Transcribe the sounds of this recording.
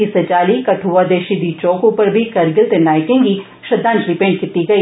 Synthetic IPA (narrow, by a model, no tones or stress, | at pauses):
iset͡ʃaːlikɐʈʰuːʋad̪eːʃid̪it͡ʃoːkopɐɾbʱikɐɾɡɪlt̪enaːjkẽːŋɡi | ʃɐd̪ãːntɾɪpẽːɳɖ̚kɪt̪ːiɡɐiː